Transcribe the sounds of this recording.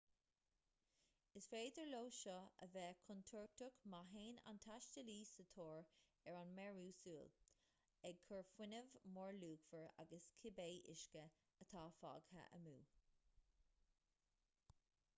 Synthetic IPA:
ɪsfeːd̪əɹloːʃɔə̰vɛːkʰʊnt̪ʰʊɹk̚t̪ʊkmaɦeːna̰nt̪ʰaʃtəliːsət̪ʰoːɹ | ɛɹanmɛɹuːsuːl | ɛɡ̚kʰəɹfwɪnəvmɔɹluːkfəɹa̰ɡəskʰɪbeːʔɪ̰ʃkə | ət̪ʰɑːfɑ̰ːɡhə̰ʔə̰mṵː

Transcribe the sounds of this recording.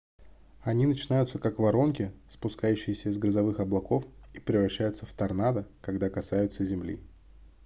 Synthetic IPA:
ɐnʲinət͡ɕɪnajʊt̪səkakvɐɾo̞nkʲɪspʊskajʉɕːɪjɪsʲəɪzɡɾəzɐvɨxɐblˠɐko̞fipɾʲɪvɾɐɕːæjʊt̪səft̪ɐrnad̪əkɐɡd̪akɐsajʊt̪səzʲɪmlʲḭ

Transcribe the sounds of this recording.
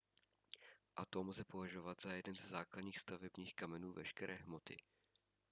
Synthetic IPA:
ʔat̪o̞mlzɛpo̞vaʒo̞vat̪z̥ajɛdɛnzzaːkladɲiːxst̪avɛbɲiːxkamɛnuːvɛʃkɛɾʔɛːɦmo̞t̪ɪ̰

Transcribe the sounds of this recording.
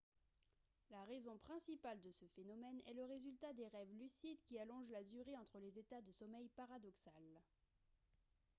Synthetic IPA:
laʁezɔ̃pχɛ̃sipald̪əsəfenɔmɛnɛ̰ləʁezylt̪ad̪eʁɛvlysid̪kʲialɔ̃ʒlad̪yʁeɑ̃t̪χəlezet̪ad̪əsɔmɛjpaʁad̪ɔksal

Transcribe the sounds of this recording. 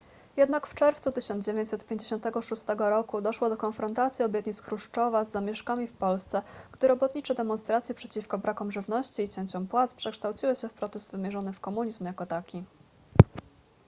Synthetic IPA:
jɛd̪nakft͡ʂɛɾft̪sut̪ɘɕɔnd̪d͡ʑevʲjeɲt͡ɕsɛt̪pʲjẽɲd͡ʑeɕɔ̃nt̪ɛɡɔʂust̪ɛɡɔɾɔkud̪ɔʂwɔd̪ɔkɔnfɾɔnt̪at̪sʲjiɔbʲjɛt̪ɲit̪skɾuʂt͡ʂɔvazːamʲjɛʂkamʲifpɔlst̪sɛɡ̥d̪ɘɾɔbɔt̪ɲit͡ʂɛd̪ɛmɔnst̪ɾat̪sʲjɛpʂɛt͡ɕifkɔbɾakɔmʐɘvnɔɕt͡ɕiːt͡ɕeɲt͡ɕɔmpwat̪spʂɛkʂt̪awt͡ɕiwɘɕɛfpɾɔt̪ɛzd̪vɘmʲjɛʐɔnɘfkɔmuɲizmjakɔt̪akʲi

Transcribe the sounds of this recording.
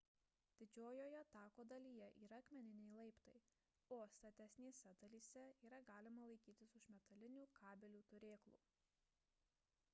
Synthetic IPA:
d̪ʲɪd͡ʒʲoːjoːjɛɐt̪ɑːkoːd̪ɐlʲiːjɛʔiːɾɐɐkmʲɛnʲɪnʲɛɪlˠɐɪpt̪ɐɪ | oːst̪ɐt̪ʲɛsʲnʲeːsʲɛd̪ɐlʲiːsʲɛiːɾɐɡɑːlʲɪmɐlˠɐɪkʲiːt̪ʲɪsʊʃmʲɛt̪ɐlʲɪnʲuːkʰɑːbʲɛlʲuːt̪ʊɾʲeːklˠṵː

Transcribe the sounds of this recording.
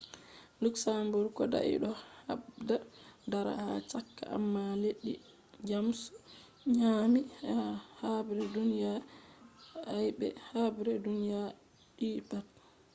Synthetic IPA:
luksambuɾkɔda̰ʔḭɗɔha̰bdadaɾa̰ha̰t͡ʃakːa̰a̰mːaleɗːḭ | d͡ʒamsu̥ | ɲamihahabɾɛdunija | ajbɛ̰habɾɛdunija | ɗiːpat

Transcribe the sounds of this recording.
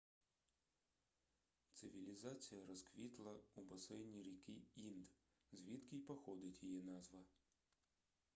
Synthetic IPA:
t̪sɨvʲilʲizat̪sɨjɐɾɐskvʲit̪lˠɐubɐsɛjnʲiɾʲikʲiind̪ | zvʲit̪kʲiːpɐxɔd̪ɨt̪ʲjijɛnazʋɐ

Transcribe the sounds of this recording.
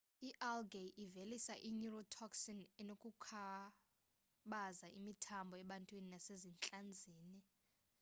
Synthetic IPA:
iʔalɡeʔivelisaʔinurɔtʰɔksɔnɛnokʼukʰa | ɓazaʔimitʰambʱɔɛɓantʼwininasezint͡ɬʼand͡zʱiːni

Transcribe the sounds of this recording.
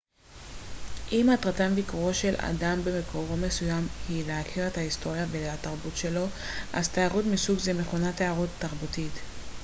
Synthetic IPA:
ʔimatʁatamvikuʁo̞ʃe̞la̰dambe̞mekʰo̞ʁo̞me̞sujamhileakʰiʁethahisto̞ʁjavelataʁbutʃe̞lo̞ | ʔazt̪eaʁutmisuɡzeme̞χonateaʁuttːaʁbutit̪

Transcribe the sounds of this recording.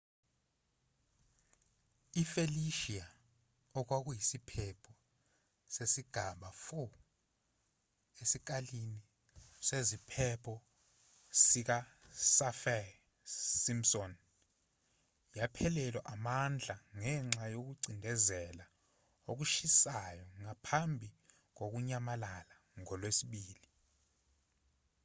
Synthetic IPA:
ifeliʃia | ɔk̬wak̬ujisipʰɛpʰɔ | sesiɡ̥ʱaɓafu | esik̬alini | sezipʰɛpʰɔ | sik̬asafɛ | simsɔn | japʰɛlɛlɛʔamand͡ɮʱaŋɛŋ͡ǁajok̬uɡ͡ǀʱindʱɛzɛla | ok̬uʃisajɔŋapʰambʱi | k̬ok̬uɲamalala | ŋɔlwesiɓiːli

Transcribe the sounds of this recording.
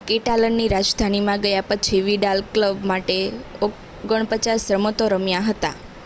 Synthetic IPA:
keʈalənːiɾad͡ʒd̪ʱanimãɡəjapət͡ʃʰiʋiɖalkləbmaʈeo | ɡəɳ̃pət͡ʃasɾəmot̪oɾəmjãɦət̪a̰

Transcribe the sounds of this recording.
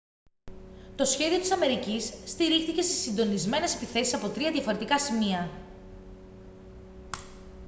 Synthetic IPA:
t̪o̞sçe̞ðio̞t̪isɐme̞ɾicisːt̪iɾixθice̞st̪i̥sind̪o̞nizme̞ne̞se̞piθe̞sisɐpo̞t̪ɾiɐðʝɐfo̞ɾe̞t̪ikɐsimiɐ

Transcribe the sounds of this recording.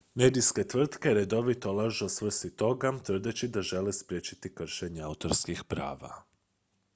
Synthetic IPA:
med̪ijske̞t̪ʋr̩t̪ke̞ɾe̞d̪o̞ʋit̪olaʒuosʋr̩st̪it̪o̞ɡat̪r̩d̪et͡ɕid̪aʒe̞lespɾjeːt͡ʃi̥t̪ikr̩ʃeɲeaut̪o̞ɾskixpɾa̰ːʋa̰

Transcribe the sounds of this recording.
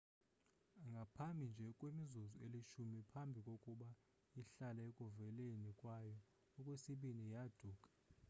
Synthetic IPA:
ŋɡʱapʰambʱind͡ʒʱɛkʼwemizuzueliʃumipʰambʱikʼokʼuɓa | iɬalaekʼuvɛlenikʼwajɔ | ɔkʼwesiɓinijad̥ʱuːkʼḁ

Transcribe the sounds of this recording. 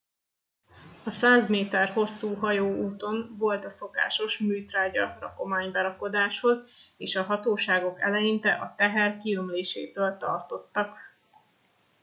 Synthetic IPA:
ɒsaːzmeːt̪ɛrho̞sːuːɦɒjoːuːt̪o̞nvo̞lt̪ɒso̞ka̰ːʃo̞ʃmyːt̪raːɟɒ̰rɒ̰ko̞maːɲbɛɾɒko̞d̪aːʃho̞zeːʃɒɦɒt̪oːʃaːɡo̞kɛ̰lɛjint̪ɛʔɒt̪ɛɦɛrkilomleːʃḛːt̪øːlt̪ɒ̰rt̪o̞t̪ːɒk

